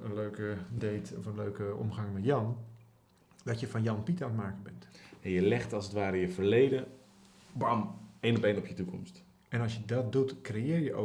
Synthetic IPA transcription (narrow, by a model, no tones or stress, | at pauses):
ənløːkədeːtɔ̰fənløːkəɔ̰mχɑŋmɛtjɑn | dɔtjəfɑnjɑnpitatmaːkəbɛntɛnjəlɛxtɑlˠsətʋaːɾɪjəfərlejdə | bameːnɔpenɔpjətukɔ̰mst | ɛnɑlˠsjədɔt̚dutkrejɪːrjəʔo̰